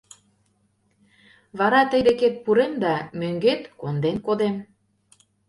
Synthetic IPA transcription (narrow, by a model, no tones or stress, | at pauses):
βɑɾɑt̪əjd̪eket̪̚puɾemd̪ɑmøŋɡet̪kond̪enkod̪em